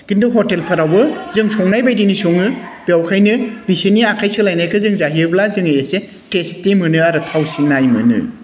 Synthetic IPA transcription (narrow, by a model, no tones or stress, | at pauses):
ɡ̥induɦɔtelpʰaɾawbɯzɯŋsʰɔŋnajbajdinisoŋɯb̥jawkʰajnɯbisiniakʰajsɯlajnajkʰɯzɯŋzaɦiɯblazɯŋajese | testːimɯnɯaɾɯtʰawsinajmɯnɯ̰